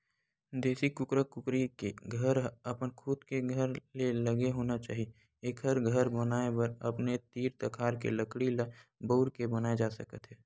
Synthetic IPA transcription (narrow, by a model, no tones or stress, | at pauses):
d̪eːsikʊkɾəkːʊkɾikeɡʱəɾəpənkʰʊd̪keɡʱəɾleləɡeɦoːnat͡ʃa̰ːɦi | eːkɦəɾɡʱəɾbənaːepəɾɐpnet̪iːɾt̪əkʰaːɾkḛləkɽilabəʊɾkebənaːed͡ʒaːsəkət̪ɦɛː